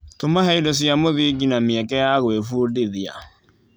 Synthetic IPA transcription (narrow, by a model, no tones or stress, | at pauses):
tomaɦɛidɔs̬jamoðiɡinameɛkɛjaɣwefuːdeðia̰